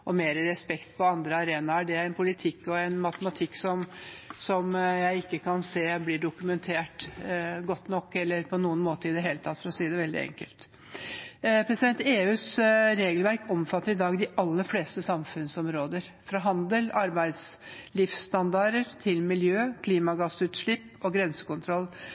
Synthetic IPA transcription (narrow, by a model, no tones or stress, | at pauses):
ɔmeːɾəɾɛspɛkt̪pʰɔɑnd̪ɾəɑɾeːnɑɖɛæɾɛnpʰʊlɪt̪ʰɪkːɔɛnmɑt̪əmɑt̪ʰɪkːsɔmsɔmjæɪɪkːəkʰɑnseːblɪɖʊkʉmɛnt̪ʰeːʈɡɔt̪ːnɔkːɛlːəɾpʰɔnuːənmoːt̪əɾɪd̪ɛɦeːlət̪ʰɑt̪ːfɔɾɔsiːd̪ɛʋɛld̪ɪ̰ɛ̰ŋkəlt̪ | pʰɾɛsɪd̪ɛnt̪eːʉːsɾeːɡəlʋæɾkɔmfɑt̪ːəɾɪd̪ɑːɡd̪ɪʔɑlːəfleːst̪əsɑmfʉnsɔmɾoːd̪əɾ | fɾɑɦɑnd̪əlʔɑɾbæɪd̪slɪfsst̪ɑnd̪ɑɾəɾt̪ʰɪlmɪljøːkʰliːmɑɡɑsʉːt̪ʂɭɪpː | ɔɡɾɛnsə̥kʊnt̪ʰɾɔlː